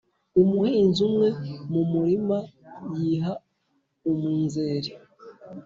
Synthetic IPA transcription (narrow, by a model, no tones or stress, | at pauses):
umuhiːnzumŋe̞mumuɾimajiːɦa | umuːnzeːɾi